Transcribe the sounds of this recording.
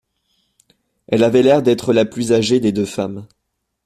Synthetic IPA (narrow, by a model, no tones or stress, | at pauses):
ɛlavɛlɛʁd̪ɛt̪χəlaplyzaʒed̪ed̪øfam